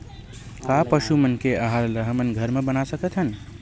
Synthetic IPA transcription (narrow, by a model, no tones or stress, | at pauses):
kapəʃumənkeəɦaɾləɦəmənɡʱəɾmebənasəkət̪ʰɦən